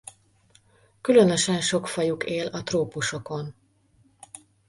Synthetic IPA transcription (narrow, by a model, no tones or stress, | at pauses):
kylø̞nø̞ʃɛnʃo̞kfɒjukeːlɒt̪roːpuʃo̞ko̞n